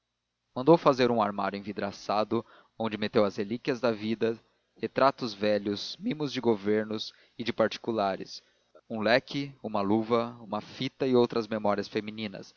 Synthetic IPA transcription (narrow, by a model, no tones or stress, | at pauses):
mɐ̃nd̪owfazeɾũaɾmaɾʊẽvid̪ɾasad̪ʊ | õnd͡ʒɪmet̪ewɐzhelikiɐzd̪ɐvid̪ɐ | het̪ɾat̪ʊzvɛʎʊsmĩmʊzd͡ʒɪɡoveɾnʊs | ɪd͡ʒɪpaɾt͡ʃi̥kulaɾɪ̰s | ũlɛkɪũmɐluvɐũmɐfit̪ɐɪowt̪ɾɐzmemɔɾiɐsfemĩnĩnɐ̰s